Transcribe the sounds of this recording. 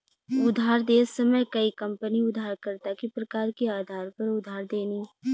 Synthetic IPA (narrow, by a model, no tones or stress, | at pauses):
ʊd̪ʱaːɾd̪eːsɐməjkɐikɐ̃mpəniʊd̪ʱaːɾkɐɾt̪akipɾɐkaːɾkeaːd̪ʱaːɾpɐɾʊd̪ʱaːɾd̪eːni